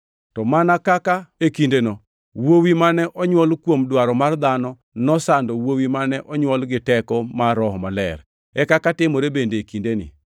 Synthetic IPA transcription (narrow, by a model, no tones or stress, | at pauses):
tɔmanakakaekindenɔ | wowimanɛʔɔɲwɔlkwomdwaɾɔmard̪anɔ | nɔsandɔwowimanɛʔɔɲwɔlɡɪtɛkɔmaɾɔɦɔmalɛ̰r | ɛkakatɪmoɾebendeekindenḭ